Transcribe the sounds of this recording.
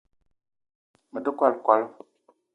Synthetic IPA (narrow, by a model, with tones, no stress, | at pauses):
mə˨də˦kwa˦lkwa˦l